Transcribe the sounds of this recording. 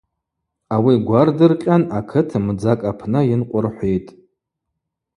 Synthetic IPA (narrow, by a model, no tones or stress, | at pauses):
awiɡʷardɨrqʲʼanakʰɨtʰmd͡zakʼapʰnɨjɪnqʷʼʊrħʷitʼ